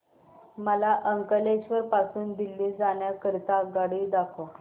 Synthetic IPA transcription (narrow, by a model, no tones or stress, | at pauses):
məlaʔəŋkəleɕʋəɾpasuːnd̪ilːiːd͡zaɳ̃jakəɾt̪aɡaɽiːd̪akʰo